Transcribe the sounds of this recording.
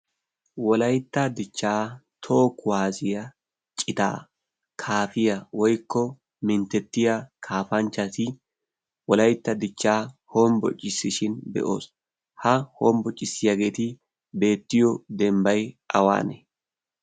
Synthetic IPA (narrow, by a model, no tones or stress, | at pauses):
wɔlɐjt̪ːɐd̪ɪt͡ʃːaːt̪ʰoːkːʊwaːzɪjɐ | t͡ʃʼɪt̪a̰ː | kʰaːfɪjɐwɔjkːɔ | mɪnt̪ːɛt̪ːɪjakʰaːfɐnt͡ʃːɐsɪ | wɔlɐjt̪ːɐd̪ɪt͡ʃːaːhɔmbɔ̰t͡ʃʼːɪsːɪʃɪnbɛ̰ʔo̞̰ːs | hɐhoːmbɔt͡ʃʼːɪsːɪjaɡe̞ːt̪ɪ | be̞ːt̪ːɪjɔd̪ɛmbɐjʔɐwa̰ːnɛ̰